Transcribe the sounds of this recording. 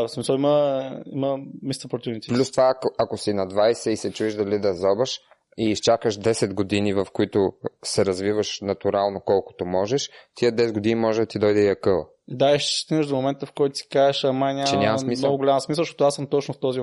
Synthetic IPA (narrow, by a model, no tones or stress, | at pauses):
smisəlˠiməiməmist̪opɾt̪ʲuvnit̪siplʲust̪ovakoakosinɐd̪vajsɛisɛt͡ʃuiʃd̪ɐlid̪ɐzɔbɐʃ | iːst͡ʃakəʃd̪ɛsɛd̪ɡod̪inivɐfkoit̪ʊsɛɾɐzvivəʃnɐt̪uɾalˠnokɔlˠko̥t̪omɔʒɛʃt̪ʰiəd̪ɛsɛd̪ɡod̪inimɔʒɛd̪ɐt̪id̪ɔjd̪ɛiɐkɤlˠ | d̪aiʃt̪st̪inəʒd̪omomɛnt̪əfkɔjt̪ʊ̥si̥kaɛʃɐmajnʲat͡ʃɛɲʲamɐsmimnɔɡʊɡoʊlʲaməsmisəlˠʃtɔt̪asəmt̪ɔt͡ʃnʊft̪ɔzi